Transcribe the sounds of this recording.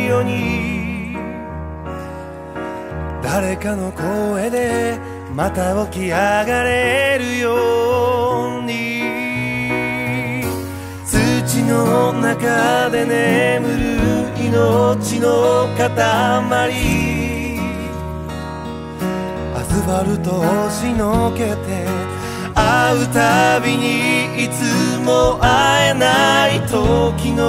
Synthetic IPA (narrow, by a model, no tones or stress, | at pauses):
joːɲ̟i | d̪aɾe̞kano̞ko̞e̞d̪e̞ | mat̪aokʲiaɡaɾe̞ɾɯ̟jo | ɲi | sɨt͡ɕino̞nakad̪e̞ne̞mɯ̟ɾɯinot͡ɕinokat̪amaɾʲi | a̰zɨmaɾɯ̟t̪oɕinoke̞t̪e̞ | aɯ̟t̪abʲiɲ̟iit͡sɨmoʔaenait̪okʲino